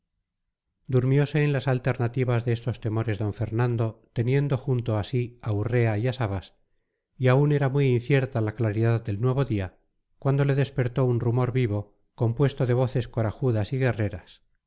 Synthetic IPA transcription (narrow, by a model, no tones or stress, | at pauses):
d̪uɾmjo̞se̞ːnlasalt̪e̞ɾnat̪iβazðeest̪o̞st̪e̞mo̞ɾe̞zðo̞ɱfe̞ɾnand̪o̞t̪e̞nje̞nd̪o̞xunt̪o̞asiaure̞aiasaβas | iaune̞ɾamwiinθje̞ɾt̪alaklaɾiðaðd̪e̞lnwe̞β̞o̞ðia | kwand̪o̞le̞ðe̞spe̞ɾt̪o̞unrumo̞ɾβiβ̞o | ko̞mpwe̞st̪oðe̞β̞o̞θe̞sko̞ɾaxuðasiɣe̞re̞ɾas